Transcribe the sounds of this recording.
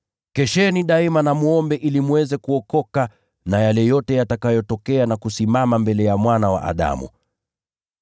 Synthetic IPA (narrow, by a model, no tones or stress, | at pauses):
kɛʃɛniɗaimanamuɔmbɛʔilimuwɛzɛkuɔkɔka | najalɛjɔtɛjatakajɔtɔkɛanakusimamambɛlɛjamwanawa̰ʔa̰ɗa̰mṵ